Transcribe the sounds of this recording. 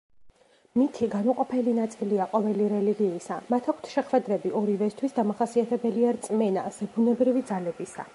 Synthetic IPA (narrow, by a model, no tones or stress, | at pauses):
mit̪ʰiɡanuqʼɔpʰɛlinat̪sʼiliaqʼɔvɛliɾɛliɡiːsa̰mat̪ʰak̚ʰt̪ʰʃɛχwɛd̪ɾɛbiʔɔɾivɛst̪ʰwisd̪amaχasiat̪ʰɛbɛliaɾt̪sʼmɛnaz̥ɛbunɛbɾivid̪zalɛbisa̰